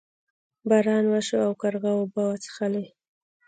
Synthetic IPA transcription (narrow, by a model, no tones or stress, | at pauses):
baɾɑnwaʃoawkaɾɣawobawat͡sə̥xale